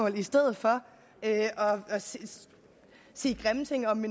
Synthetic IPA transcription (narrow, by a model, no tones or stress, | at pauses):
ɔ̽ːlisd̥eð̞̰̩ˠfɒ̽ | øɒ̽ɒ̽s | sḭːɡ̥ʁamt͡sʰeŋ̰ɒ̽mːin